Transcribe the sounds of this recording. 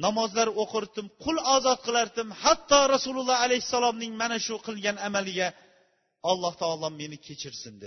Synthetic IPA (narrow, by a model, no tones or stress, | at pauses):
nɒmɒzlaɾoqʰɨɾt̪ɪmqʰʊlˠɒːzɒt̪̚qʰɨlˠaɾd̪ɪmhat̪ʰːɒɾasulˠulˠːɑhalajhɪsːalˠɒmnɪŋmanaʃʊqʰɨlˠɡʲanamalɪɡʲa | ɒlˠːɑht̪ʰɒːlˠɒmːe̞nɪkʲʰe̞t͡ʃʰɪɾsɪnd̪e̥